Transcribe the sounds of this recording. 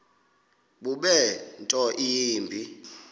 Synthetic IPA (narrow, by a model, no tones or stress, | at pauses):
ɓuɓɛntʼɔʔiːmbʱi